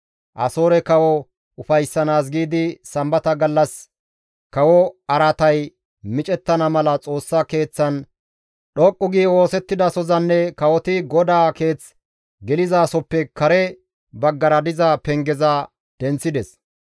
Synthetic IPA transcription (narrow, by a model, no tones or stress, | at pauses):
ʔɐ̰so̞ːɾɛkɐwɔ | ʊfɐjsːɐnaːs̬ɡiːd̪ɪsɐmbɐt̪ɐɡɐlːɐs | kɐwɔɐɾɐt̪ɐj | mɪt͡ʃʼɛt̪ːɐnɐmɐlɐt͡sʼo̞ːsːake̞ːt͡sːɐn | ɗɔkʼːʊɡiːwo̞ːsɛt̪ːɪd̪ɐsɔzɐnːɛkɐwɔt̪ɪɡɔd̪aːke̞ːt͡s | ɡɛlɪzaːsɔpːɛkɐɾɛ | bɐɡːɐɾɐd̪ɪzɐpɛŋɡɛzɐ | d̪̥ɛnt͡sːɪd̪ɛs